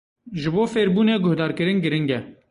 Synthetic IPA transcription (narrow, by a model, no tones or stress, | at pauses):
ʒɪboːfeːɾbuːneːɡʊhd̪ɑːɾkɨɾɪnɡɨɾɪŋɡɛ